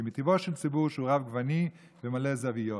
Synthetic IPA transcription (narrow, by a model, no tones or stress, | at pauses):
mit̪ivoʃelt͡sibuʁʃuʁavɡvani | vemalezavijo